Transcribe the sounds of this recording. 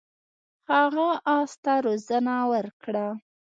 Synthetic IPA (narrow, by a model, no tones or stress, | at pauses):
haɣaʔɑst̪aɾozanawəɾkɽa